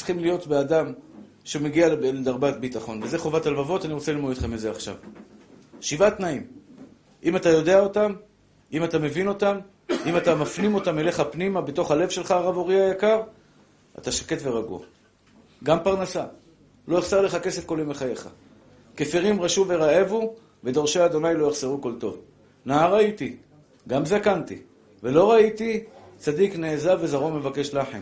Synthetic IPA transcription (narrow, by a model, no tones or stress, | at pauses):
sχimlijo̞tbeadam | ʃemeɡialledaʁbatbitaχo̞nveze̞χo̞vatalvavo̞taniʁo̞t͡selilmodet̪χemizeaχʃa̰v | ʃivatnaim | ʔimatajo̞de̞ao̞tam | imatame̞vino̞tam | imatamafnimo̞tame̞le̞χapnimabe̞to̞χhale̞vʃe̞lχaːʁavo̞ʁiajakaʁ | a̰t̪aʃake̞tve̞ʁaɡṵa̰ | ɡampaʁnasa | lo̞eχsaʁle̞χake̞se̞fko̞limeχaje̞χa̰ | kefiʁimʁaʃuve̞ʁaevu | ve̞d̪o̞ʁʃeaːd̪o̞najlo̞jaχz̥eʁuko̞lt̪o̞v | naaʁait̪i | ɡamzakant̪ḭ | ve̞lo̞ʁait̪i | t͡sad̪ikneːzavːe̞zaʁo̞me̞vake̞ʃlaħḛm